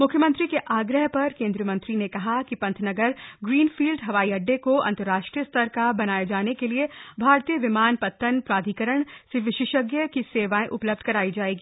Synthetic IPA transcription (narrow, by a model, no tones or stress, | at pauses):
mʊkʰjəmə̃nt̪ɾikeʔaːɡɾəɦpɐɾkẽːnd̪ɾijəmɐ̃nt̪ɾinekɐɦakipɐ̃nt̪ʰnɐɡəɾɡɾiːnfiːlɖɦɐʋaːiɐɖːekoɐ̰̃nt̪əɾːaːʃʈɾijəst̪ʰɐɾkabɐnaːjed͡ʒaːnekeliebʱaːɾt̪ijəʋɪmaːnpɐt̪ːənpɾaːd̪ʱikəɾəɳ̃sɪʋɪʃɪʃəɡjəkiseːʋaːẽʔʊpləb̚d̪̚ʱkɐɾaːid͡ʒaːeːɡiː